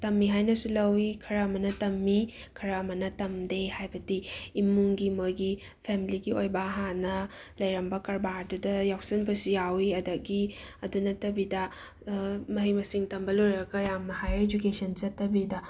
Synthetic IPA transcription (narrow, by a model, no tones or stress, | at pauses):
tɐmːiɦajnɐsulɐwikʰɐɾɐmɐnɐtɐmːi | kʰɐɾɐmɐnɐtɐmdehajbɐtiːmːuŋɡimojɡi | pʰemiliɡiojbɐɦanɐlɐjɾɐmbɐkɐɾbadudɐjawsinbɐsijawiɐdɐɡiɐdunɐtɐbidɐ | mɐɦijmɐsiŋtɐmbɐlojɾɐɡɐjamnɐhajed͡ʒukesɐnt͡ʃɐtːɐbidɐ